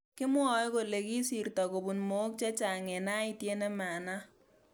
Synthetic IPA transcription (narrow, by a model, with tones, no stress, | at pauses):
kɪ˦mwɔ˨˦jko˨le˨ki˦si˨ɾtɔ˨ko˨bu˨nmo˨˦k̚t͡ʃɛ˦t͡ʃa˨ŋɛ˨na˦ɪ˦tje˦ne˦ma˨na˦